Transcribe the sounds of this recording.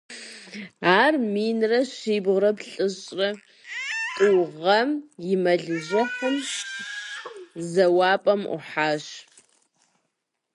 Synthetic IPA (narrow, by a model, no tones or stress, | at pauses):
aːrmiːnrɐʃiːbʁrɐpɬʼɨɕʼrɐ | tʼɨwʁɐmjɪmɐɮɨʑɐχʷʊmɕ | zɐwaːpʼɐmʊ̰ħaːʃ